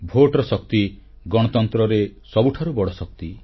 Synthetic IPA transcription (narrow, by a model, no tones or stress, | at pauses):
bʱoʈɾɔsɔk̚t̪i | ɡɔ̃ɔt̪ɔnt̪ɾɔɾesɔbuʈʰaɾubɔɽɔsɔk̚t̪i